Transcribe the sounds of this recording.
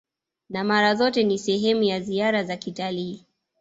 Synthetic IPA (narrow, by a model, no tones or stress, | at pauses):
namaɾazɔtɛnisɛɦɛmujaziaɾazakitaliː